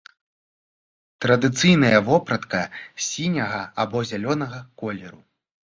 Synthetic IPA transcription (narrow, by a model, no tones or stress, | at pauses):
t̪ɾɐd̪ɨt̪sɨjnɐjɐvɔpɾɐt̪kɐsʲinʲɐɣɐabɔzʲalʲɔnɐɣɐkɔlʲɛɾu